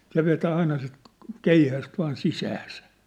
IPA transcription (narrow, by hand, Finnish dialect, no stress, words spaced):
se ʋetæː ɑinɑ sit keihæst ʋɑːn sisæːsæ